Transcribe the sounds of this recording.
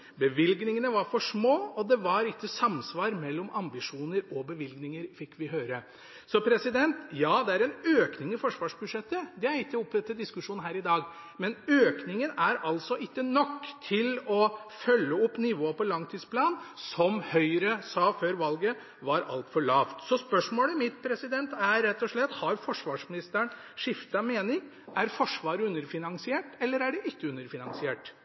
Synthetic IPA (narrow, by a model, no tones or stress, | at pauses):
bəʋɪlɡnɪŋənəʋɑɾfɔʂmoːɔd̪ɛʋɑɾɪkːəsɑmsʋɑːɾmɛlːɔmʔɑmbɪʂuːnəɾɔbəʋɪlɡnɪŋəɾfɪkːʋɪɦøːɾə | sɔpʰɾɛsɪd̪ɛnt̪jɑːd̪ɛæɾɛnøːknɪŋɪfɔʂʋɑːʂbʉd̪ʂɛt̪ːəd̪ɛæɾɪkːəɔpːd̪ɛt̪ːəd̪ɪskʉʂuːnɦæːɾɪd̪ɑːɡ | mɛnøːknɪŋənæɾɑlsɔʔɪkːənɔkːt̪ʰɪlɔfœlːəɔpːnɪʋoːpɔlɑŋt̪ʰiːd̪spʰlɑːnsɔmhœʏɾəsɑːføːɾʋɑlɡə | ʋɑɾɑ̰lt̪fɔɭɑːʋt̪sɔspœʂmoːləmɪt̪pʰɾɛsɪd̪ɛnt̪æɾɾɛt̪ːɔʂɭɛt̪ːhɑɾfɔʂʋɑːʂmɪnɪst̪əɳ | ʂɪft̪ɑmeːnɪŋ | ʔæɾfɔʂʋɑːɾəʉnːəɾfɪnɑŋsɪeːʈɛlːəɾæɖɛʔɪkːəʉnːəɾfɪnɑ̰ŋsɪeːʈ